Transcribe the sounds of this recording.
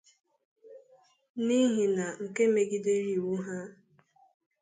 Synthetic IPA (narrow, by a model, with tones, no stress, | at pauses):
ni˦ɦi˨na˨ŋ̩˨ke˦me˦ɡi˦de˦ɾi˦˨wu˦ɦa˦